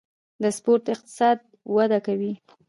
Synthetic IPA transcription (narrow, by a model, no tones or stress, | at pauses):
d̪əspoɾt̪ɪq̚t̪ɪ̥sɑd̪̚ | wad̪akawi